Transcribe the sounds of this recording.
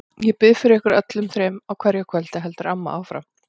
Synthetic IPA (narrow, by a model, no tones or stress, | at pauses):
jɛpɪðfɪɾɪɾɪhkʏɾœt̪lʏmθɾeːmawkʰvɛɾjɛkʰœl̥t̪aɦɛlt̪ʏɾamːaʔawfɾa̰wm